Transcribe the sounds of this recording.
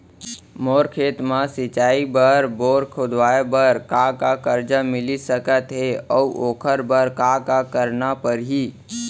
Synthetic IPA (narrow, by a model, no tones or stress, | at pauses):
moːɾkʰeːt̪mãsɪt͡ʃaːibəɾboːɾkʰʊd̪waːebəɾkakakəɾd͡ʒəmɪlisəkət̪ɦeɔʔoːkʰəɾbəɾkakakəɾnapəɾɦi